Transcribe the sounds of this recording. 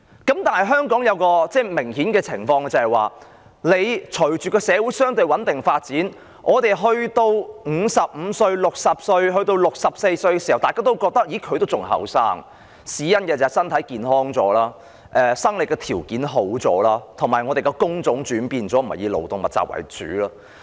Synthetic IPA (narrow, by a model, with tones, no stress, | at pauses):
kɐ˨˥mt̪aː˨nhɐ˨jɦœː˥ŋkɔː˨˥ŋjɐ˨˧wkɔː˧t͡sɛː˥˩mɪ˨˩ŋhiː˨˥nkɛː˧t͡sʰɪ˨˩ŋfɔː˧ŋ˧t͡sɐ˨˩hɐ˨jwaː˨ | le˨˧jt͡ʃʰɵ˨˩ɥt͡ʃyː˨˩kɔː˧sɛː˨˧wu˨˥jsœː˥ŋt̪ɵ˧ɥwɐ˨˥nt̪ɪ˨ŋfaː˧t̚t͡siː˨˥n | ʔɔː˨˧t̪e˨˩jɦɵ˧ɥt̪o˧wŋ̩˨˧sɐ˨p̚m̩˨˧sɵ˧ɥlʊ˨k̚sɐ˨p̚sɵ˧ɥɦɵ˧ɥt̪o˧wlʊ˨k̚sɐ˨p̚se˧jsɵ˧ɥkɛ˧si˨˩ɐ˨wt̪aː˨kaː˥t̪o˥wkɔː˧k̚t̪ɐ˥k̚jiː˨˥kʰɵ˨˧ɥt̪o˥wt͡sʊ˨˩ŋhɐ̰˨˧˥wsaː˥ŋ | siː˨˥jɐ˥nkɛː˧t͡sɐ˨˩ɐ˨˩jsɐ˥nt̪ʰɐ˨˥jkiː˨nhɔː˥ŋt͡sɔ̰ː˨˧˥laː˥ | ʔɛ˨sɐ˥ŋlɪ˨kːɛ˧t̪ʰiː˨˩wkiː˨˥nɦo˨˥wt͡sɔ̰ː˨˥laː˥t̪ʰʊ˨˩ŋmaː˨jŋɔː˨˧t̪e˨jkɛ˧kʊ˥ŋt͡sʊ˨˥ŋt͡ʃyː˨˥npiː˧nt͡sɔː˨˥m̩˨˩hɐ̰˨jiː˨˧wlo̰˨˩wt̪ʊ˨ŋmɐ˨˩t̚t͡sa̰˨p̚wɐ̰˨˩jt͡sy̰ː˨˥laː˥